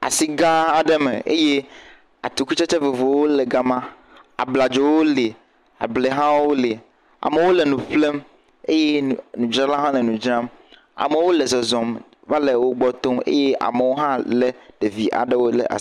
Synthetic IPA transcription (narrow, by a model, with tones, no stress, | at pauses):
a̰˨si˦ɡa˦a˨ɖɛ˦mḛ˨ʔḛ˦je˦ | a̰˨t̪u˨ku˦t͡ʃɛ˦t͡ʃe˦ve˨vo˨wo˦lɛ˨ɡa˦mã˦ | a̰˨bla˨d͡ʒo˨wo˦le˨ | a̰˨ble˨ɦã˦wo˦le˨ | a̰˨me˨wo˦lɛ˨nũ˨ɸle˦m | e˦je˦nũ˨d͡ʒɾã˦la˦ɦã˦lɛ˨nũ˨d͡ʒɾã˦m | a̰˨me˨wo˦lɛ˨zɔ˨zɔ˨m | va˦le˨wo˦ɡ͡bɔ˦t̪o˦mḛ˦je˦ʔa̰˨me˨wo˦ɦã˦lɛ˨ɖ̥e˨vi˨ʔa̰˨ɖe˦wo˦lɛ̰˨ʔa̰˨